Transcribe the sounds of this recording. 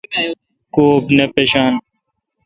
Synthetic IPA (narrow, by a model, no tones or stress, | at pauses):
koːbnepeːɕaːn